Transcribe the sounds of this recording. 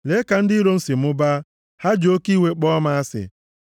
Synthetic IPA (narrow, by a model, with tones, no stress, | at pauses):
le˨˦ka˨n̩˦di˦ɾo˦n̩˦si˨m̩˦ʊ˦ba˦ | ha˦d͡ʒo˦ki˦we˦k͡pɔ˦ma˦a˦sɪ̰˨